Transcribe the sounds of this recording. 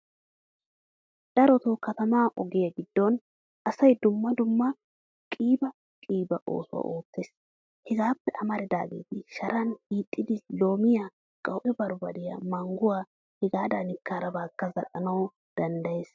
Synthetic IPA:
d̪̥ɐɾɔt̪okɐt̪ɐmaːʔɔɡɪjɐɡɪd̪ːɔn | ʔɐsɐjd̪ʊmːɐd̪ʊmːɐ | kʼiːbɐ | kʼiːbɐʔo̞̰ːsʊwa̰ːʔo̞ːt̪ːeːs | hɛɡaːpːɛʔɐmɐɾɪd̪a̰ːɡḛːt̪ɪʃɐɾɐniːt̪ʼːɪd̪ɪlo̞ːmɪjaː | kʼɐwʔɛbɐɾbɐd̪ɪjɐ̰mɐŋɡʊwaː | hɛɡaːd̪ɐnɪkːaːɾɐbaːkːɐzɐ̰lɐ̰nɐw | d̪̥ɐnd̪ɐjeːs

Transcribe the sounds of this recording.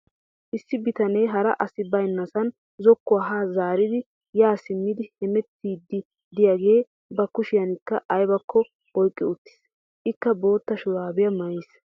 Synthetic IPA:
ʔɪsːɪbɪt̪ɐnɛjɦɐɾɐʔɐsɪbɐjnːɐsɐn | zɔkːʊaɦaːzaːɾɪd̪ɪ | jaːsɪmːɪd̪ɪhɛmɛt̪ːiːd̪ːɪ | d̪ɪjaɡe̞ː | bɐkʊʃɪjɐnɪkːɐʔɐjbɐkːɔ | ɔjkʼːɪʊt̪ːɪ̥s | ʔɪkːɐbo̞ːt̪ːɐʃʊlaːbɪjɐmɐjɪs

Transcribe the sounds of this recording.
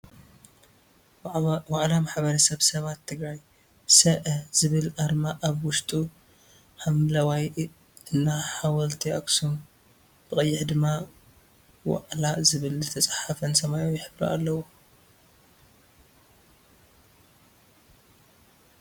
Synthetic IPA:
waʔlamaħbɐɾɐsɐβsɐβat̪ʰːɨɡɾaj | sɐʔɐz̥ɨβɨlʔaɾmaʔaβwʊʃt̪ʼu | ħamlɐwaj | ɨnːaħawɐlt̪ʰiaksum | b̥ɨkʼɐjːɪħd̪ɨmːa | wa̰ʔlazɨβɨlzɨt̪ʰɐt͡sʼħafɐnsɐmajojɪħɨβɾɐ̰ʔa̰lːɐwo

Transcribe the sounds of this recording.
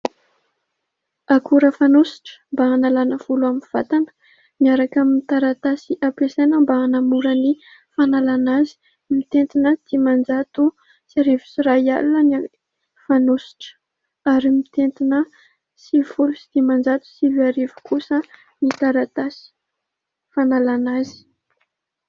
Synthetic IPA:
akuɾəfanosi̥ʈ͡ʂə̥mbaanalanəv̥uluaminv̥at̪anə̥ | miaɾakaminit̪aɾat̪asiʔapesanəmbaːnamuɾəni | fanalanazi̥ | mit̪ent̪inət̪imand͡zat̪u | siaɾevu̥siɾaja̰luəni | fanosi̥ʈ͡ʂə̥ | aɾimit̪ent̪inə | sivulusi̥d̪̥imand͡zat̪u̥siviaɾevu̥kusə | nit̪aɾat̪asi̥ | fanalanazi̥

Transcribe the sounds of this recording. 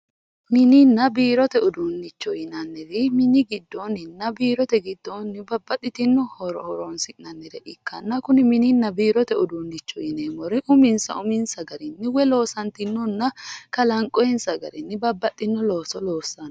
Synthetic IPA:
mɪninːɐbiːɾɔt̪ɛʊd̪unːɪt͡ʃːɔjɪnɐnːɛɾɪmɪnɪɡɪd̪ːɔnɪnːɐbiːɾɔt̪ɛɡɪd̪ːɔnːɪbɐbːɐt̪ʼːɪt̪ɪnːɔhɔɾɔhɔɾɔnsɪnɐnːɛɾɛʔɪkːɐnːɐkʊnɪmɪninːɐbiːɾɔt̪ɛʊd̪unːɪt͡ʃːɔjɪneːmɔɾɪʔʊmɪnsɐ̰ʊmɪnsɐɡɐɾɪnːɪwɛlo̞ːsɐnt̪ɪnːɔnːɐkɐlɐŋkʼɔjɛnsɐɡɐ̰ɾɪnːɪbɐbːɐt̪ʼːɪnːɔloːsɔloːsːɐn

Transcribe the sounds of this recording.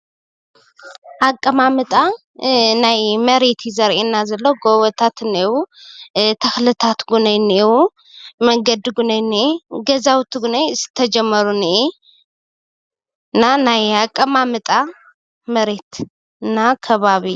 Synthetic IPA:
ʔakʼːɐmamɨt̪ʼa | najmɐɾe̞t̪ʰjzɐɾʔenːazɐlːowɡowɐt̪ʰat̪ɨnːewu | t̪ʰɐxlɨt̪ʰat̪ɡunɐjnewu | mɐŋɡɐd̪ɡunɐjniʔeɡɐzawt̪ʰɡunajsɨ̥t̪ʰːɐd͡ʒɛmːəɾunɨʔe | ɨnːanajakʼːɐmamɨt̪ʼa | mɐɾe̞t̪ | ɨnːakʰɐβaβi

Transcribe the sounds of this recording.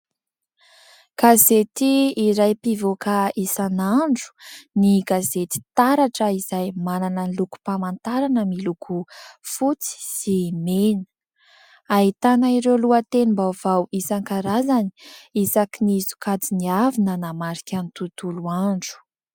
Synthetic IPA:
ɡ̥azet̪iːɾajpivokaisanaɳɖ͡ʐu̥niɡazet̪i̥t̪aɾaʈ͡ʂəizajmananənluku̥pamant̪aɾanəmilukʰufut͡si̥simenə̥ | aɦit̪anaiɾewluət̪enimbav̥awisaŋkaɾazani̥isakinizu̥kad͡ziniavinənamaɾikʲanit̪ut̪uluaɳɖ͡ʐu̥

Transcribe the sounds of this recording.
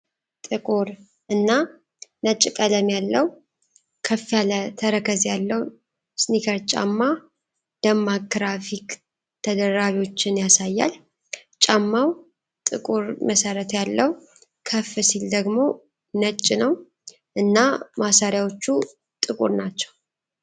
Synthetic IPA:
t̪ʼɨkʼuɾ | ʔɨnːa | nət͡ʃʼːɪkʼələmjalːəw | kʰəfːjalət̪ʰəɾəkʰəzjalːəw | snikʰəɾt͡ʃʼa̰mːa | d̪̥əmaɡɾafik | t̪ʰəd̪əɾaβiwo̞t͡ʃːɪnjasajːa̰l | t͡ʃʼamːaw | t̪ʼɨkʼuɾməsəɾət̪jalːəw | kʰəfɨsild̪əɡmo̞ | nət͡ʃʼːɪnəw | ʔɨnːamasaɾjawo̞t͡ʃːu | t̪ʼɨkʼṵɾnat͡ʃːɛ̥w

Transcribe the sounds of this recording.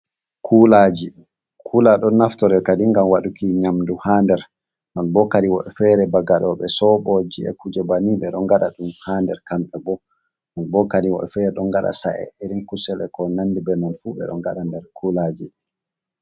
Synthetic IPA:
kʰulad͡ʒi | kkʰulaɗɔnːaftɔɾɛkadiŋɡamwaɗukiɲamduhandɛɾ | nɔnbɔkaɗiwɔɗɛfɛɾɛbaɡaɗɔɓɛsɔɓɔd͡ʒiɛ̰kud͡ʒɛbaniɓɛɗɔŋɡaɗa̰ɗumhandɛɾkamɓɛbɔ | nɔnbɔkaɗiwɔ̰ɗɛfɛɾɛɗɔŋɡaɗa̰saʔɛ̰eɾinkusɛlɛkɔnandibɛnanfubɛ̰ɗɔ̰ŋɡaɗandɛɾkʰulad͡ʒi

